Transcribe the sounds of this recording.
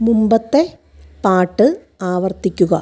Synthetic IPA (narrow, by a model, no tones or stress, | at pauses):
mumbɐt̪ːe̞ | paːʈːɨ | aːʋɐrt̪ikʲːuɣɐ